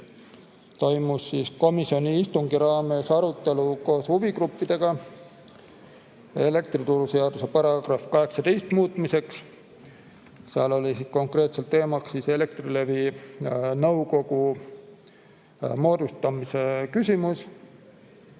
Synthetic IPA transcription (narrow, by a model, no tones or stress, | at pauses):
t̪o̞jmusːiːsko̞misio̞nʲiist̪uŋɡiɾɑːme̞sɑɾut̪ːˑe̞luko̞ːshuvikrupːid̪̥e̞ɡ̥ɑ | e̞le̞k̚t̪rit̪uɾuseɑd̪use̞pɑɾɑɡ̥rɑfkɑɦe̞ksɑt̪e̞jst̪muːt̪ˑmise̞ks | seɑlo̞lisisko̞ŋkre̞ːt̪selt̪ːe̞ːmɑkssise̞le̞kt̪rile̞vi | nɤwko̞ɡ̥u | mo̞ːd̪̥ust̪ɑmise̞kysʲimus